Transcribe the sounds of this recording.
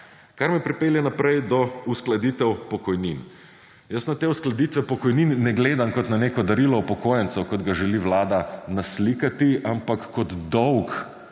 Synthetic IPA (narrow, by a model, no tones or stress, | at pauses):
kaɾmɛpɾipeːljɛnapɾɛjd̪ɔusklɐd̪iːt̪ɛwpɔkɔjnin | jəsnat̪eːusklad̪it̪ʋɛpɔkɔjninːɛɡleːd̪amkɔt̪naneːkɔd̪ɐɾilɔpɔkoːjɛnsɛwkɔd̪ɡaʒɛliʋlaːd̪anaslikat̪iampakːɔd̪d̪ɔwk